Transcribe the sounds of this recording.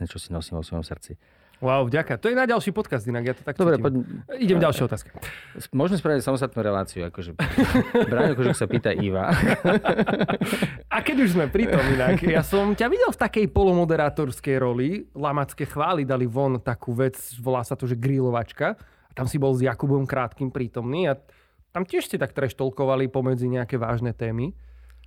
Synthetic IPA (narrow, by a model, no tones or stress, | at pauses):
ɲɛt͡ʃɔsinɔsima̰ɔsmɔ̰msrt͡si | wawvɟakat̪ɔjɛnaɟalˠʃiːpɔt̪kazd̪inaɡjat̪ɔ̥t̪akd̪ɔbɾɛpɔiɟɛmɟalˠʃɪɛɔt̪aːskɛ̥smʊɔʒmɛspɾaʋicsamɔst̪at̪̚nuːɾɛla̰ːt͡siua̰kɔʒɛ | bɾaːɲɔkɔʒɔksapiːt̪aʔiʋa̰ | akɛɟuʒzmɛpɾit̪ɔminakjasɔmcaʋiɟɛlft̪akɛjpɔlɔmɔd̪ɛɾaːt̪ɔɾskɛjɾɔlilamat͡skɛxʋaːlid̪aliʋɔnt̪akʰuːʋɛt͡sʋɔlaːsat̪ɔʒɛɡɾilɔʋat͡ʃkaː | t̪amsibɔlˠzjakubɔmkɾaːt̪kiːmpɾiːt̪ɔmniːa | t̪amcɪɛʃscɛt̪ak̚t̪ɾɛʃt̪ɔlkɔʋalipɔmɛd͡ziɲɛakɛʋa̰ːʒnɛt̪ɛːmi